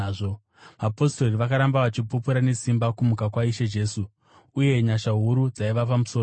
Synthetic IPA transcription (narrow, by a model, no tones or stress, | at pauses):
ʐo | ʋapo̞sto̞riʋakaɾambaʋat͡ʃipupuɾane̞simbakumukakwaiʃe̞d͡ʒe̞ːsu | uje̞ɲaʃaɦuɾud͡zaiʋapamuso